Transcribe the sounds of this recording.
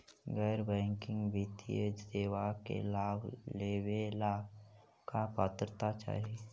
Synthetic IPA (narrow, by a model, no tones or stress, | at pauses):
ɡɛːɾbɛ̃ːŋkɪ̃ŋɡʋit̪ḭəd͡ʒd̪eːwakḛlaːbleːʋela | kapat̪ɾət̪at͡ʃa̰ːɾi